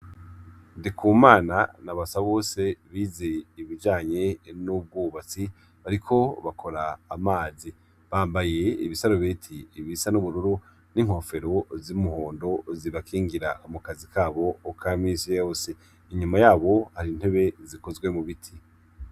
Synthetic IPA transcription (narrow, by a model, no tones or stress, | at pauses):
ndikʰuːmaːnanaβasaβo̞ːse̞βiːze̞iβid͡ʒaːɲe̞nub̚ɡuːβat͡si | βaɾikʰo̞βakʰo̞ɾaːmaːzi | βaːmbaje̞ḭβisaɾoβetʰiːβisanuβuɾuɾu | niŋho̞fe̞ɾo̞zimuho̞ːndo̞ziβakʰiːŋɡiɾaumukazikʰaːβo̞ːkʰamiːsijajoːse̞ | iɲumajaːβo̞haɾin̥he̞βe̞ziko̞zɡwe̞muβitʰi